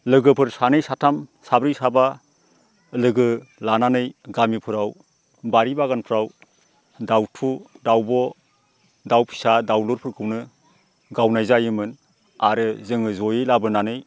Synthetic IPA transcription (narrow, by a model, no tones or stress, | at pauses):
lɯɡɯpʰɯɾsanɯjsatʰamsabɾijsaba | lɯɡɯlananɯjɡamipʰɯɾaw | baɾibaɡanpʰɾaw | dawtʰudawbɔ | dawpʰi̥sadawluɾpʰɯɾkʰɯwnɯ | ɡawnajzajɯmɯn | aɾɯzɯŋɯzɔjɯjlabɯnanɯj